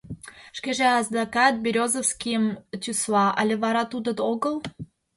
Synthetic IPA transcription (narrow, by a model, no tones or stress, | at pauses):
ʃkeʒeɑzd̪ɑkɑt̪̚bʲiɾʲozəfskʲijəmt̪ʲyslɑʔɑlʲeβɑɾɑt̪ud̪ə̆d̪oɣəlˠ